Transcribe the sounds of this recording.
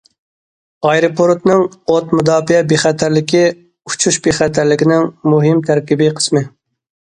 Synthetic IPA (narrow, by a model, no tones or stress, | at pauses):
ɑjɾopʰoɾt̪nɨŋot̪mud̪ɑːfijɛbeχɛt̪ʰæɾlɪkʲʰi | u̥t͡ʃʰuʃbeχɛt̪ʰæɾlɪkʲinɪŋmuɦɪmt̪ʰæɾkʲibɪqʰə̥smɨ